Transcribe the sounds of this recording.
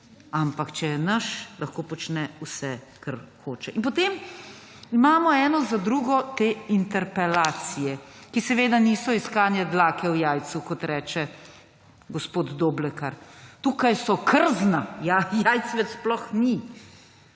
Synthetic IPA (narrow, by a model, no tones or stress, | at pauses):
ampakt͡ʃɛnɐʃlaxkoːpɔt͡ʃnɛusɛkaɾxoːt͡ʃɛʔinp̬ɔt̪eːm | imaːmɔɛːnɔzad̪ɾuːɡɔt̪eːint̪ɛɾpɛlaːt̪sijɛkisɛʋeːd̪aniːsɔiskaːnjɛd̪laːkɛwjajt̪sukɔt̪ɾɛːt͡ʃɛ | ɡɔspoːd̪d̪oːblɛkaɾt̪uːkajsɔkəɾznajajajt̪sʋɛt̪splɔxni